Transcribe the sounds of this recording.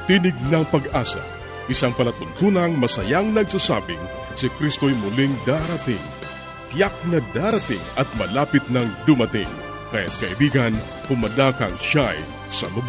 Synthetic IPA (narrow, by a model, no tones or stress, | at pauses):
t̪inɪɡ̚nɐŋpɐɡʔaːsɐ̰ | ʔɪsaŋpɐlɐt̪ʊnt̪uːnɐŋmɐsɐjaŋnɐɡsasa̰ːbɪŋ | sɪkɾist̪o̞jmʊliŋd̪aɾɐt̪ɪ̰ŋ | t̪jak̚nɐd̪aːɾɐt̪ɪ̰ŋɐt̪̚mɐlaːpɪt̪̚nɐŋd̪ʊmɐt̪ɪ̰ŋ | kaja̰t̪̚kɐʔibiːɡɐn | hʊmɐd̪akɐŋʃaj | sɐ̰lʊb